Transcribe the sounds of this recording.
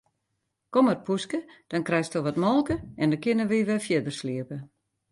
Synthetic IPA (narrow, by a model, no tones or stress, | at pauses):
komərpʰuskəd̥ɔnkrɛjstoʋɔtmɔlˠkəɛndɔkɪnəʋiʋɛfjɪdərsliəpə